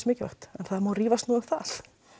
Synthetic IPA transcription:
mɪːcɪva̰hxt̪ɛnθaðmaːwriːvast̪nuːʏmθa̰l̥

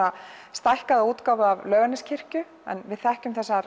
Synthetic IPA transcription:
ast̪ajhkaðauːt̪kawvʏavlœːɣanɪscʰɪr̥cʏ | ɛ̰nvɪðθɛhcʏmθɛsːa

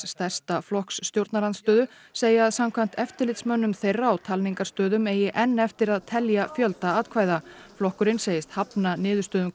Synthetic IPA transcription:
st̪ɛr̥st̪aflɔhksːt̪jowɾt̪naɾant̪st̪œːðʏ | seːjɪaðsamkʰvam̥t̪ɛft̪ɪɾlɪt̪smœnːʏmθejrːaːwt̪ʰalniŋkaɾst̪œːðʏmeːjɪʔɛnːɛft̪ɪɾaðt̪ʰɛljafjœlt̪aaːt̪kʰvaːjða | flɔhkʏɾɪnseːjɪst̪hapnanɪːðʏst̪œːðʏm

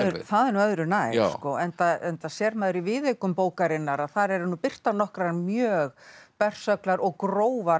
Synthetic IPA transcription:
ɾθaðɛɾnuœðɾʏnajskɔɛnt̪aɛnt̪asjɛɾmɛːðʏɾivɪðeɥkʏmpoːwkaɾɪnːaɾaðθaɾɛɾnupɪr̥t̪aɾnɔhkɾanmjœːɣpɛr̥sœklaɾʔɔɣkɾoːwva

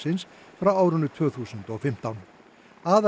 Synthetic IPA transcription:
sɪns | fɾawaːwɾʏnːʏt̪ʰvœːθuːsʏnt̪ɔɣfɪm̥t̪awn | aːð

